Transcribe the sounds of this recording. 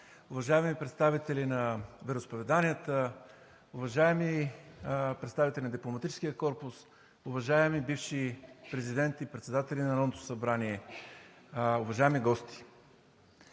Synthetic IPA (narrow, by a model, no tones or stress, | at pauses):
ʊvɐʒaɛmipɾɛt̪st̪avit̪ɛlinɐvɛɾospovɛd̪aniət̪ə | ʊvɐʒaɛmi | pɾɛt̪st̪avit̪ɛlʲinəd̪iplˠomɐt̪it͡ʃɛ̥sk̟ijəkɔɾpʊs | ʊvɐʒaɛmibifʃipɾɛzid̪ɛnt̪ipɾɛt̪sɛd̪at̪ɛlʲinɐɾɔvnot̪o̥sɐbɾaniɛ | ʊvɐʒaɛmiɡɔst̪ʰi̥